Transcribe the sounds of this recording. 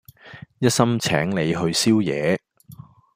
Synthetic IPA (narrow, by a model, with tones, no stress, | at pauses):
jɐ˥t̚sɐ˥mt͡sʰɛː˨˥ŋle˨˧jɦɵ˧ɥsiː˥wjɛː˨˧